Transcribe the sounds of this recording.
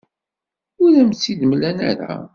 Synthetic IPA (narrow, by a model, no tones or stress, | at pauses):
ʊɾæmt͡sːid̪mlænæ̰ɾæ̰